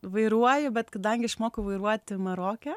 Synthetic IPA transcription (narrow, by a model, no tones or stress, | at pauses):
ʋɐɪɾuɔjɛbʲɛt̪kɐd̪ɐŋʲɡʲɪɐʃmoːkʊʋɐɪɾuɔt̪ʲɪmɐɾoːkʲɛ